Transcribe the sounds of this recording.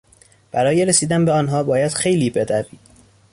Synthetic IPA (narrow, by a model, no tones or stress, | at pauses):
b̥æɾɒːje̞ɾesiːd̪ænbeɒːnɦɒːbɒːjæd̪̥xe̞jliːbe̞d̪æviːd̪̥